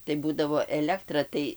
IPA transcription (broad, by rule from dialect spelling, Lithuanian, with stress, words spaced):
tɐɪ ˈbuːdɐʋoː ˈæːlʲɛktrɐ tɐɪ